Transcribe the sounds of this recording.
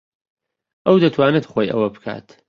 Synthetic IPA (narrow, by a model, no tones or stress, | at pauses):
ʔɐwd̪ɐt̪ʰwaːnɨt̪χoːjʔɐ̰wɐbɨkʰa̰ːt̪